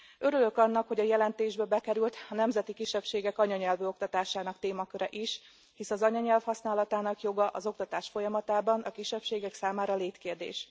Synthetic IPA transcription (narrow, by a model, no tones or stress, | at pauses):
øɾylø̞kɒnːɒkho̞ɟɒjɛlɛnt̪eːʒbɛbɛkɛɾylt̪ɒnɛmzɛt̪ikiʃːɛpʃeːɡɛkɒɲɒɲɛlvøːo̞kt̪ɒt̪aːʃaːnɒkt̪eːmɒkøɾɛʔiʃ | hisɒzɒɲɒɲɛlfhɒsnaːlɒt̪aːnɒkjo̞ɡɒʔɒzo̞k̚t̪ɒt̪aːʃfo̞jɒmɒt̪aːbɒnɒkiʃːɛpʃeːɡɛksaːmaːɾɒleːt̪keːrd̪ḛːʃ